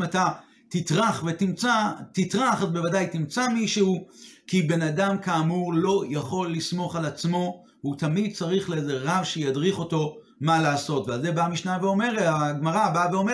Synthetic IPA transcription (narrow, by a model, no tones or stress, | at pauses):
mata | titʁaχvetimt͡satitʁaχazbe̞vadajtimt͡samiʃeukibe̞nadamkaːmuʁlo̞jaχo̞lːismo̞χalat͡smo̞ | hut̪amid̚t͡saʁiχleezeʁavʃejadʁiχo̞to̞ | malaːso̞tvealze̞bamiʃnaveo̞me̞ʁetaɡmaʁabaveo̞me